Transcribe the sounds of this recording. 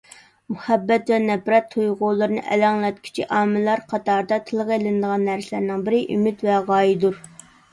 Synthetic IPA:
muhɛbːɛt̪vɛnɛpɾɛt̪ʰːujʁʊlˠɨɾɨnɨʔɛ̰lɑŋlˠɛt̪̚kʲʰi̥t͡ʃʰiʔɑːmɨlˠɑɾqʰɑt̪ʰɑɾd̪ɑt̪ʰɨlˠəʁelɪnɨd̪əʁɑnːæɾsɪlæɾnɪŋbɪɾɪʔymɪt̪vɛʁɑːjid̪uɾ

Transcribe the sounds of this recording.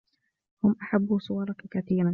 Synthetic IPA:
hʊmʔaħabːusˤʊwɑɾˤɑkkaθiːɾan

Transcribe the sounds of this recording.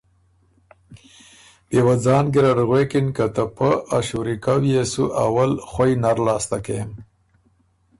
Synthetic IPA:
b̥ewad͡zɑːnɡiɾaɾɣwekinkat̪əpəʔaʃuɾikawjesuʔawalxwajnaɾlɑːst̪akem

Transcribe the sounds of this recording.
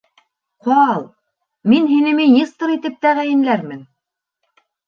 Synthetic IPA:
qɑlˠ | minɦinɘ̆mɘjɤst̪ɤ̆ɾit̪ɘp̚t̪æʁæjɘ̆nlæɾmɘn

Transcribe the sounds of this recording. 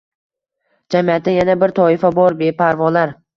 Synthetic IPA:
d͡ʒamijat̪̚d̪ajanabɪɾt̪ʰɒɪfabɒɾbe̞pʰaɾvɒlaɾ

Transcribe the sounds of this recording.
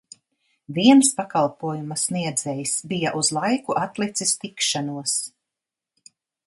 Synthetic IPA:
viɛnspakalˠpuɔjumɐsniɛd̪zɛjisbijaʔuzlˠajkuʔat̪lˠit̪sist̪ikʃanuɔs

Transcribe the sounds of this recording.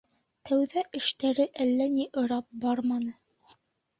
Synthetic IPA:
t̪ʰæwðæʔɘ̆ʃt̪æɾɘʔælːæniʔɤ̆ɾɑp̚bɑɾmɑnɤ

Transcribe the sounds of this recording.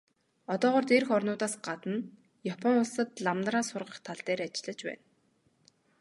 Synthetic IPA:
ɔt̪ɔːʁɔːrt̪erxɔrnʊːt̪aːsɢat̪ə̆n | japʰɔŋʊɮsə̆t̪ɮamnraːsʊrʁə̆χt̪ʰaɮt̪eːɾat͡ɕɪ̆ɮə̆t͡ɕpæ̰ːn

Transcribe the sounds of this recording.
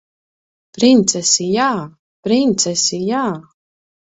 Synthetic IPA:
pɾint̪sɛsijaː | pɾint̪sɛsijaː

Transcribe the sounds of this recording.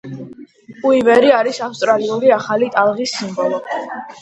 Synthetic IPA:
uivɛɾiaɾisafst̪ʼɾaliuɾiaχalit̪ʼalˠʁisːimbɔlˠɔ

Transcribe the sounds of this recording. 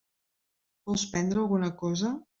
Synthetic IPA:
bɔlˠspɛnd̪ɾəːlˠɣunəkɔzə

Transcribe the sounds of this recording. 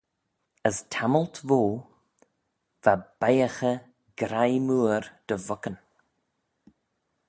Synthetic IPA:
əstʰaməlt̪voː | v̥ab̥ajəxə | ɡ̥ɾajmuːɾd̪̥əvʊkən

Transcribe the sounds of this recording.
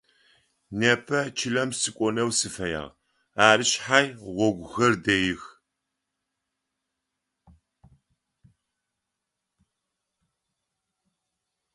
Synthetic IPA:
nɐpʰɐt͡ʃʰɪlɐmsɨkʷʼɔnɐwsɨfɐja̰ːʁ | aːrɨʃħajʁʷɔɡʷxɐrdɐjɪx

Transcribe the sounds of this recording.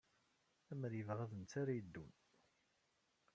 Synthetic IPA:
æməɾjəvʁaðənt͡s̪ːaɾajəd̪ːun

